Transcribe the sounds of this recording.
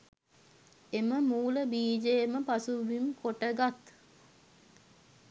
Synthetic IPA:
eməmuːləbiːd͡ʒejməpasuʋimkoʈəɡat̪

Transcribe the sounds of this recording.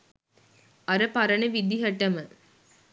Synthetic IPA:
ɐɾɐpɐɾɐnɐʋid̪iɦɐʈːɐmə

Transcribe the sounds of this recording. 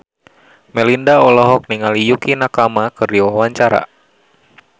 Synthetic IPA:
mɛlindaɔlɔɦɔk̚niŋalijukinakamakɨrdiwawaɲt͡ʃaɾa̰

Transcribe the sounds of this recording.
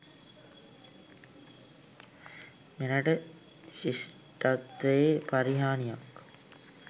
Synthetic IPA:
menaʈə | ɕis | ʈat̪ʋəepaɾiɦaːnijak

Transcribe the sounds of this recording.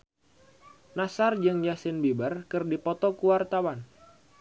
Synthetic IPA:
nasard͡ʒɨŋjasɪnbibərkɨrdipɔt̪ɔkuwart̪awan

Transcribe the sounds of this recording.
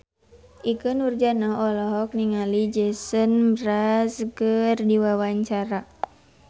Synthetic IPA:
ʔikɨnurd͡ʒanaɔlɔɦɔk̚niŋalid͡ʒɛsənmɾaskərdiwawaɲt͡ʃaɾa

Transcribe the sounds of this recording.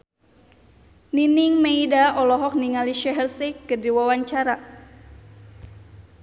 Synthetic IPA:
niniŋmeidaʔɔlɔɦɔk̚niŋaliʃɛɦərsɛkədiwawaɲt͡ʃaɾa

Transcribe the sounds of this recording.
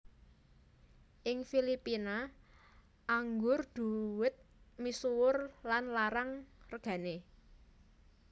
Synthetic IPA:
ʔɪŋfilipina | ʔaŋɡʊrd̪̥ṳwɪt̪̚misuwʊrlanlaɾaŋrəɡ̥ä̤ne

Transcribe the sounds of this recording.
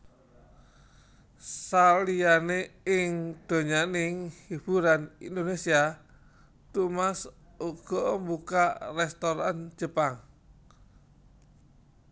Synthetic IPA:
salijaneɪŋd̪̥o̤ɲanɪŋhib̥uɾanḭnd̪onesia | t̪umas | uɡ̥ɔmbukarɛst̪ɔɾan̥d͡ʒ̥ə̤paŋ

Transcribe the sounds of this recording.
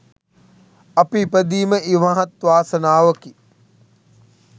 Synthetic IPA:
ɐpipəd̪iːməʔiʋaɦɐt̪ʋaːsənaːʋəki

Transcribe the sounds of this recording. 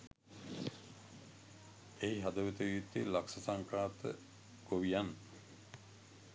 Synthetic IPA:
eɦiɦad̪əʋet̪əjiːt̪ilaksɐsaŋkɾaːt̪ə̰ | koʋijanː

